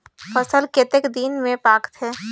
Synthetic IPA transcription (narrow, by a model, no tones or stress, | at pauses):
fəsəlket̪ekd̪iːnmẽpaːkt̪ʰeː